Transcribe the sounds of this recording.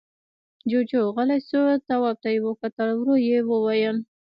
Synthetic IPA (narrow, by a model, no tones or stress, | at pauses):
d͡ʒod͡ʒoɣalasot̪awɑb̚t̪ajewəkat̪əlwɾojewəwajəm